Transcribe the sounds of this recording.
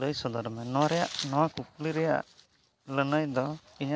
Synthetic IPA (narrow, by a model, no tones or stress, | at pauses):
ləjsɔd̪ɔɾmɛnɔwaɾɛjaʔnɔwakuk̚liɾɛja̰ʔ | lənəjd̪ɔ | iɲa